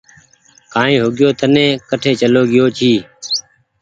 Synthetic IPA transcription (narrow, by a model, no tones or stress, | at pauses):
kãːĩːɦoɠɪjoːt̪ʰənẽːkəʈʰeːt͡ʃəloːɠɪjoːt͡ʃʰiː